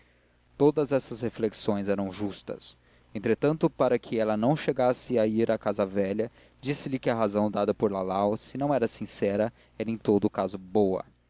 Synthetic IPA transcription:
t̪od̪ɐzɛsɐzhefleksõj̃zɛɾɐ̃w̃ʒust̪ɐ̰s | ẽnt̪ɾet̪ɐ̃nt̪ʊpaɾɐkʰɪɛlɐnɐ̃w̃ʃeɡasɪaiɾakazɐvɛʎɐ | d͡ʒisɪlɪkɪɐɦazɐ̃w̃d̪ad̪ɐpoɾlalawsɪnɐ̃w̃ɛɾɐsĩsɛɾɐ | ɛɾẽj̃t̪od̪ʊːkazʊbowɐ̰

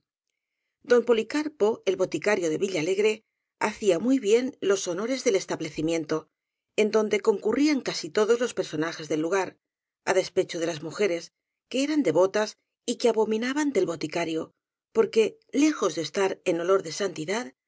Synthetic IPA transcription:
d̪o̞mpo̞likaɾpo̞e̞lβo̞t̪ikaɾjo̞ðe̞βiʎaːle̞ɣɾe̞ | aθiamujβje̞nlo̞so̞no̞ɾe̞zðe̞le̞st̪aβle̞θimjẽ̞nt̪o̞ | e̞nd̪o̞nd̪e̞ko̞ŋkuriaŋkasit̪o̞ðo̞zlo̞spe̞ɾso̞naxe̞zðe̞lːuɣ̞aɾ | a̰ðe̞spe̞t͡ʃoð̞e̞lazmuxe̞ɾe̞s | ke̞eɾand̪e̞βo̞t̪as | ikeaβo̞mĩnaβand̪e̞lβo̞t̪ikaɾjo̞ | po̞ɾke̞ | le̞xo̞zðest̪aɾe̞no̞lo̞ɾðe̞sant̪iðað

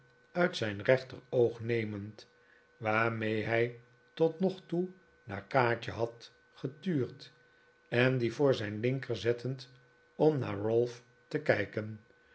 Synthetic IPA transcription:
œɥtsɛjnrɛχtərowχnejmənt | ʋaːɹmejɦɛj | tɔtnɔχtu | na̰ːɹkaːɹt͡ʃə̰ɦɑt | χətyːɹt | ɛnd̪ivʊːɹzɛjnlɪŋkəɹzɛtʰənt | ɔmna̰ːɹrɔlˠf | təkɛjkən

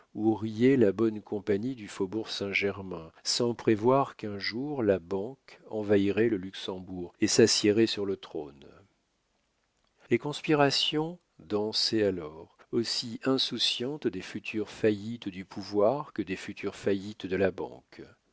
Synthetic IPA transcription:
uʁijɛlabɔnkɔ̃paɲid̪yfobuʁsɛ̃ʒɛʁmɛ̃sɑ̃pχevwaʁkɛ̃ʒuʁlabɑ̃kɑ̃vaiʁɛləlyksɑ̃buʁesasjɛʁɛsyʁlət̪χon | lekɔ̃spiʁasjɔ̃ | d̪ɑ̃sealɔʁosiʔɛ̃susjɑ̃t̪d̪efyt̪ʰyʁfajit̪d̪ypʰuvwaʁkəd̪efyt̪ʰyʁfajit̪d̪əlabɑ̰̃k

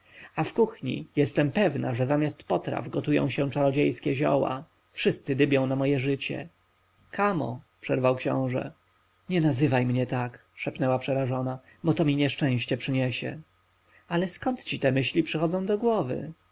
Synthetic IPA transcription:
afkuxɲḭjɛst̪ɛmpɛvnaʐɛzamʲjast̪pɔt̪ɾa̰vɡɔt̪ujɔ̰̃w̃ɕɛ̃t͡ʂaɾɔd͡ʑejskʲɛʑɔ̰wa̰ | fʂɘst̪sɘd̪ɘbʲjɔ̃w̃namɔjɛʐɘt͡ɕɛ̰ | kʰamɔ̰pʂɛɾvawkɕɔ̰̃w̃ʐɛ̰ | ɲɛnazɘvajmɲɛt̪akʂɛpnɛwapʂɛɾaʐɔna | bɔt̪ɔmʲiɲɛʂt͡ʂɛ̃w̃ɕt͡ɕɛpʂɘɲɛɕɛ̰ | alɛskɔnt̪t͡ɕit̪ɛmɘɕlʲipʂɘxɔd̪zɔ̃w̃d̪ɔɡwɔvɘ̰

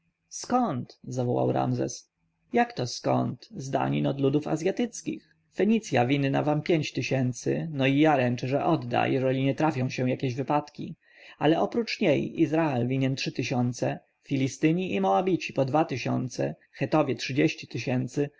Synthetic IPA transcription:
skɔnt̪zavɔwa̰wɾa̰mzɛ̰s | jakt̪ɔskɔ̰nt̪zd̪a̰ɲinɔd̪lud̪ufa̰zʲjat̪ɘt̪skʲḭx | fɛɲit̪sʲjavʲinːa̰vampʲjeɲt͡ɕt̪ɘɕɛnt̪sɘ̰nɔijaɾɛnt͡ʂɛʐɛʔɔd̪ːa̰jɛʐɛlʲiɲɛt̪ɾafʲjɔ̃w̃ɕɛ̃jakʲeʑvɘpat̪kʲḭ | alɛʔɔpɾut͡ʂɲejizɾaɛlvʲiɲɛntʂɘt̪ɘɕɔnt̪sɛ | fʲilʲist̪ɘɲiʔimɔabʲit͡ɕipɔd̪vat̪ɘɕɔ̰nt̪sɛ̰ | xɛt̪ɔvʲjɛtʂɘd͡ʑeɕt͡ɕi̥t̪ɘɕɛnt̪sɘ

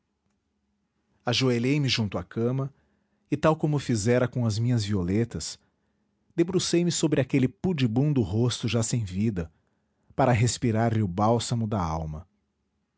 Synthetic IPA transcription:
aʒoeʎejmɪʒũnt̪ʊakʰɐ̃mɐ | ɪt̪awkõmʊfizɛɾɐkõɐzmĩɲɐzviolet̪ɐs | d̪ebɾusejmɪsobɾɪakelɪpud͡ʒɪbũd̪ʊɦost̪ʊʒasẽj̃vid̪ɐ | paɾɐɦespiɾaɾʎɪʊbawsɐmʊd̪ɐawmɐ

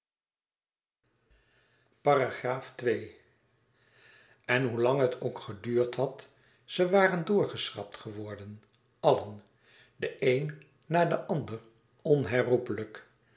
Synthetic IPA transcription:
paraχraːftʋej | ɛnɦulɑŋɦətʰowkχədyːɹtɦɑt | səʋaːrəndʊːɹχəsrɑ̰p̚tχəʋɔɹdən | ɑlən | dəʔejnː | aːɹdəʔɑndər | ɔnɦɛɹrupələk

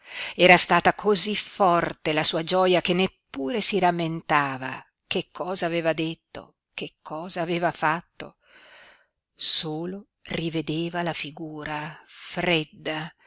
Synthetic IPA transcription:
ɛːɾast̪aːt̪akʰozifɔrt̪elasuːad͡ʒɔjakenːepːuːɾesiɾamːent̪aːva | kekʰːɔːzaːveːvad̪et̪ːo̰ | kekʰːɔːzaːveːvafat̪ːo̰ | soːlo | rived̪eːvalafiɡuːɾafɾed̪ːa

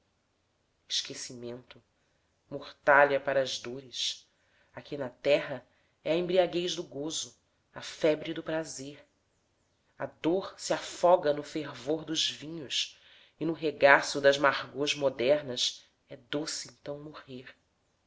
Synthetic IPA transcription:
ɪʃkesimẽnt̪ʊ | moχt̪aʎɐpaɾɐːzd̪oɾɪʃ | akʰinɐt̪ɛɦɐ | ɛɐẽmbɾiaɡejʒd̪ʊɡozʊ | ɐfɛbɾid̪ʊpɾazeɾ | ɐd̪oɾsiafɔɡɐnʊfeɾvoɾd̪ʊzvĩɲʊs | ɪnʊɦeɡasʊd̪ɐzmaʁɡoʒmod̪ɛɾnɐs | ɛd̪osɪẽnt̪ɐ̃w̃moheɾ

